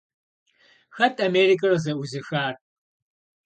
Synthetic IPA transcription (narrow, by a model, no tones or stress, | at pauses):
xɐtʰʼɐmeːrikʼɐrɐzɐuzɨxaːr